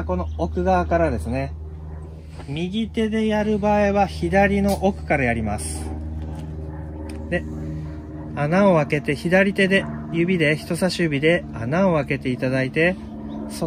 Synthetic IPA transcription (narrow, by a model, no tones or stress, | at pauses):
ko̞no̞okɯ̟ɡakaɾad̪e̞sɨne̞ | mʲiɡʲit̪e̞d̪e̞jaɾɯ̟baːiβaçid̪aɾʲino̞ʔokɯ̟̥kaɾajaɾʲimasɨ̥ | d̪e̞ | anao̞βake̞t̪e̞çid̪aɾʲit̪e̞d̪e̞jɯ̟bʲid̪e̞çi̥t̪o̞saɕɨbʲid̪e̞anao̞βake̞t̪e̞it̪ad̪ait̪e̞ | so